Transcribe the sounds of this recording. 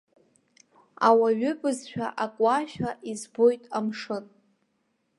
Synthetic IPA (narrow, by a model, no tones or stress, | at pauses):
a̰waɥʏpʼɨzʃᶣaʔakʼaʃᶣaʔizbo̞jtʼamʂɨn